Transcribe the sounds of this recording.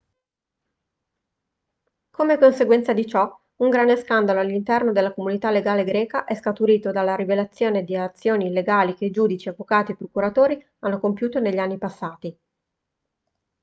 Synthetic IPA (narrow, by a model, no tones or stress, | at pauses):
komekonseɡwɛnt̪sad̪it͡ʃɔ | uŋɡɾand̪eskand̪aloalːint̪ɛrnod̪elakomunit̪alːeɡaːleɡɾɛːkaʔɛskat̪uɾiːt̪od̪alːaɾivelat̪sːjoːned̪iat̪sːjoːniːlːeɡaːlikeid͡ʒuːd̪it͡ʃiavːokaːt̪iepɾokuɾat̪oːɾi | anːokompjuːt̪oneʎːanːipasːaːt̪i